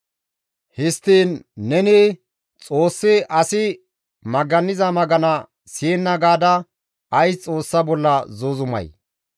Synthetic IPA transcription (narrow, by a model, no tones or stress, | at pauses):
hɪst̪ːiːnːɛnɪ | t͡sʼo̞ːsːɪʔɐsɪ | mɐɡɐnːɪzɐmɐɡɐnɐ | siːnːɐɡaːd̪ɐ | ɐjst͡sʼo̞ːsːɐbɔlːɐzoːzʊmɐ̰j